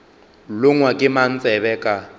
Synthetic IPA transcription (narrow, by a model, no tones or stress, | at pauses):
lʊŋwakʼɪman̩t͡sʼɛβɛkʼa